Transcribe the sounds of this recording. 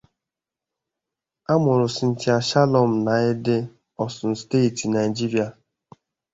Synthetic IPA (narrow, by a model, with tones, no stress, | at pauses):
a˦mʊ˨ɾʊ˨sɪ˨n̩˨tɪ˦a˨ʃa˦lɔ˨m̩˨na˨ɪ˦dɪ˦ | ɔ˦sʊ˨n̩˨ste˦˨ti˨na˨i˨d͡ʒi˦ɾi˦a˨